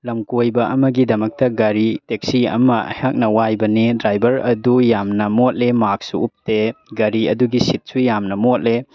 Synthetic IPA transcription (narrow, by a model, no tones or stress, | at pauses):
lɐmkojbɐɐmɐɡidɐmɐk̚tɐɡɐɾitek̚siɐ̰mɐɐ̰hak̚nɐwajbɐnedɾajbɐɾɐdujamnɐmot̚lemak̚suːp̚teɡɐɾiɐduɡisit̚sujamnɐmot̚le